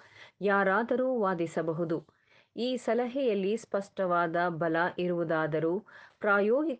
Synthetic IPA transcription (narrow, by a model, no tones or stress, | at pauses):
jaːɾaːd̪ɐɾuːʋaːd̪isɐbɐɦud̪u | iːsɐlɐɦɛjɐlːispɐʂʈɐʋaːd̪ɐbɐlɐʔiɾuʋud̪aːd̪ɐɾuːpɾaːjoːɡi